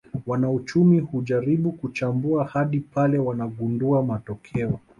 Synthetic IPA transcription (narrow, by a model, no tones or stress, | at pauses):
wanaut͡ʃumihuʄaɾiɓukut͡ʃambuahaɗipalɛwanaɠunduamatɔkʰɛɔ